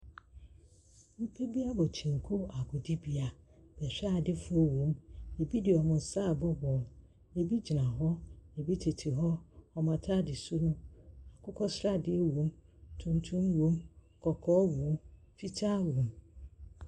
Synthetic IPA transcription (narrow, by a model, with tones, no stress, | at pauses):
m̩˦pʰe˦bi˦a˦bɔ˨t͡ɕʰĩ˨ŋ̩˨kʰʊ˦a˨ɡʊ˨di˦bi˦a˨b̥ɛ˨ɕᶣdɪ˦fʊ˦e˦wõ˨me˨bi˦dɪ˨ɔ˨mʊ̃˨n˨sa˦˨bɔ˦bɔ˨l | e˨bi˦d͡ʑi˨nã˨ɦɔ˦e˨bi˦tʰe˨tʰi˨ɦɔ˦ɔ˨mã˨tʰa˦dɪ˨sʊ˦nʊ̃˦a˨kʰʊ˦kʰɔ˦sɾa˦dɪ˦e˦wõ˨˦mtʰũ˦ntʰũ˦mwõ˦m | kʰɔ˨kʰɔː˦wõ˨˦m | fi˦tʰa˦wõ˨m